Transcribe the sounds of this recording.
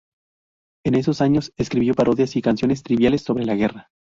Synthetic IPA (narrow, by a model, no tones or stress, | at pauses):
e̞ne̞s̬o̞saɲo̞seskɾiβjo̞paɾʔo̞ðjasikansjo̞ne̞s̬t̪ɾiβjale̞sːo̞βɾelaɣe̞ra